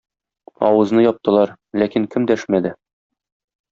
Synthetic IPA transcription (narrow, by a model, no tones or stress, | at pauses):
ɒ̰wɤ̆znɤjɒp̚t̪ɤ̆lˠɑɾ | lækiŋkɘmd̪æʃmæd̪ɘ